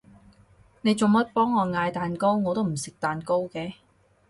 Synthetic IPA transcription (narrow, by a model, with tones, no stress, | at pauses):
ne˨˧jt͡so˨ŋmɐ˥t̚pɔː˥ŋːɔː˨˧ŋaː˧jt̪aː˨nko˥wŋɔː˨˧t̪o˥wm̩˨˩sɪ˨k̚t̪aː˨nko˥wkɛː˨˥